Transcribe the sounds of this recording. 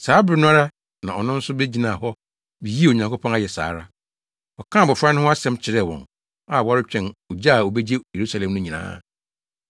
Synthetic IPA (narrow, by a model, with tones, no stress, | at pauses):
saː˨˦bɪ˦ɾɪ˦nʊ̃˦a˦ɾa˦ | nã̰˨ɔ˨nʊ̃˦n̩˦sʊ˦be˦d͡ʑi˦nã˨hɔ˦ | bi˨ji˦e˦˨o˨ɲã˨ŋkʰo˦pʰɔ̃˦na˦˨jɛ˨sa̰ː˨˦ɾa˦ | ɔ˨kʰãː˦˨bɔ˨fɾa˦nʊ̃˦ɦʊ̃˦a˦sɛ̃˦mt͡ɕʰɪ˨ɾɛ˦˨wɔ̰̃˨n | a˨wa˦ɾɪ˦t͡ɕᶣɛ̃˨no˨d͡ʑa˦˨o˨bɛ˦d͡ʑe˦je˨ɾu˦sa˨lɛ̃˨mnʊ̃˦ɲĩ˨nã̰ː˦